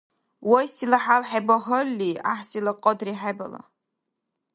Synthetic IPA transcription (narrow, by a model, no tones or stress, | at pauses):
wajsilaħalħajbaχəlːiaħsilaqʼɔdriħajba̰la̰